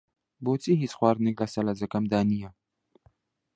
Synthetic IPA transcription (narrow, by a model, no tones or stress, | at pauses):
boːt͡siɦit͡sxwaːɾniklasɐlazɐkɐmd̪aːnija